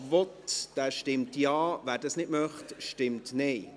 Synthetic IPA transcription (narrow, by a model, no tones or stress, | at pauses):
vɔtd̥æːʃtɪmtjɑːʋæːɾdɑsnɪtmœχtʃtɪmtnɛɪ